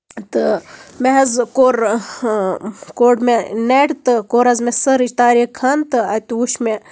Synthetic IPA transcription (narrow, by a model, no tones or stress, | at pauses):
t̪ɨmeɦɐzkoːɾ | koːɖmeneɽt̪ɨkoɾɐzmesəɾit̪aːɾekʰɐnt̪ɨɐt̪uʃme